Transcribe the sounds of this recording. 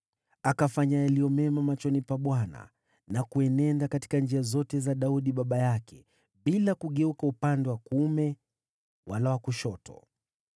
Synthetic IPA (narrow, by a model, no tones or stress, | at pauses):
akafaɲajaliɔmɛmamat͡ʃɔnipaɓwana̰ | nakuɛnɛndakati̥kand͡ʒiazɔtɛzaɗauɗiɓaɓajakʰɛ | ɓilakuɠɛukaupandɛwakumɛ | walawakuʃɔtʰɔ̰